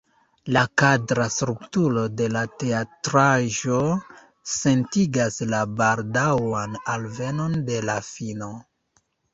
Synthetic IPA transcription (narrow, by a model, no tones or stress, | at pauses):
lakadɾasɾuptulo̞de̞late̞atɾaʒo̞ | se̞ntiɡaslabaldawanalve̞no̞nde̞lafino̞